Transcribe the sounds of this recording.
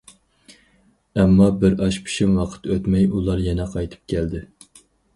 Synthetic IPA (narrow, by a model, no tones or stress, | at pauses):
ɛmːɑbɪɾɑʃpʰi̥ʃimwɑqʰə̥t̪ʰøt̪mɛjulˠɑɾjɛnɛqʰɑjt̪ʰɨ̥p̚kʲʰɛld̪ɪ